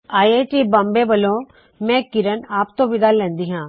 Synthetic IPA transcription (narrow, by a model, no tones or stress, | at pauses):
aːieːʈibɐ̃mbeʋəlõ | mɛ̃ːkɪɾənaːp̚t̪õʋʱɪd̪alɛ̃ːnd̪iːɦãː